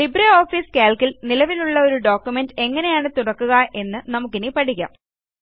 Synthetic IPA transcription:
libɾeo̞ːfiːskeːlkilnilɐʋiluɭːɐo̞ɾuɖo̞ːkːjume̞nde̞ŋːɐne̞jaːɳɨt̪uɽɐkːuɣɐʔe̞nːɨnɐmukːinipɐʈikʲːɐ̰m

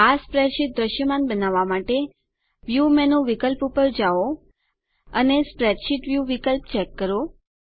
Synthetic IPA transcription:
aspɾɛɖʃiʈ̪̚d̪ɾəʃjəmanbənaʋamaʈe | ʋjumɛnũʋikəlpupəɾd͡ʒao | ənespɾɛɖʃiʈʋjuʋikəlpt͡ʃɛkːəɾo

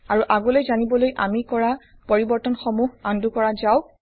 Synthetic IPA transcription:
aɹuʔaɡɔlojzanibɔlojʔamikɔɹa | pɔɹibɔɹtɔnxɔmuhandukɔɹazaʊ

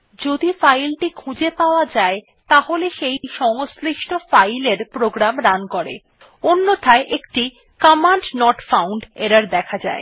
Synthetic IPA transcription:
d͡ʑod̪ifajlʈikʰũd͡ʑepaoad͡ʑae | t̪aɦoleʃejʃɔŋosɾiʃʈʰofajleɾpɾoɡɾamɾankɔɾḛ | onːot̪ʰaeʔekʈi | kamaɳʈnɔʈfawɳɖeɾaɾd̪ɛkʰad͡ʑa̰e

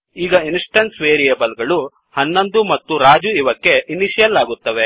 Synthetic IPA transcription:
iːɡɐinsʈɐnsʋeːɾijɐbɐlɡɐɭu | hɐnːɐnd̪umɐt̪ːuɾaːd͡ʒuiʋɐkːe̞ʔiniʃijɐlaːɡut̪ːɐʋe̞

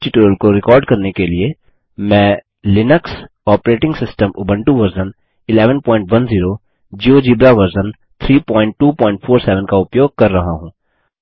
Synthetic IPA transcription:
ʈɪʈuːɾəlkoɾɪkɔːɾɖkɐɾnekelie | mɛ̃ː | lɪnəks | ɔːpɾeːʈɪ̃ŋɡsɪsʈəmʔʊbə̃ɳʈuʋɐɾzən | ɪlɛːʋənpɔ̃ːɪ̃ɳʈʋɐnziːɾo | d͡ʒiːod͡ʒiːbɾaʋɐɾzən | t̪ʰɾiːpɔ̃ːɪ̃ɳʈʈuːpɔ̃ːɪ̃ɳʈfʰoːɾsɛːʋə̃nkaʊpjoːɡ̚kɐɾːɐɦaɦũː

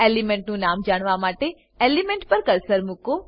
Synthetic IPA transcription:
elimɛ̃ɳʈnũnamd͡ʒaɽ̃ʋamaʈe | elimẽɳʈpəɾkəɾsəɾmuko

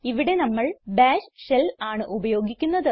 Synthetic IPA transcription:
iʋiɽe̞nɐmːɐɭbaːɕɕelaːɳɨʔubɐjo̞ːɡikʲːunːɐðɨ

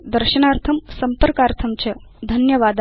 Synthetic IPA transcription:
d̪əɾɕənaɾt̪ʰɐmsɐmpəɾkaɾt̪ʰɐmt͡ɕɐd̪ʱɐnjɐʋad̪

